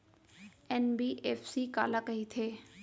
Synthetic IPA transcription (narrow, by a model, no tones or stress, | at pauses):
ɛnbiːʔeːfsiːka̰ːlakəɦit̪ʰeː